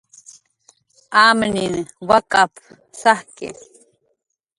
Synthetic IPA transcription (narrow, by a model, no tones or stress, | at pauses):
amninwakap | sahkɪ̰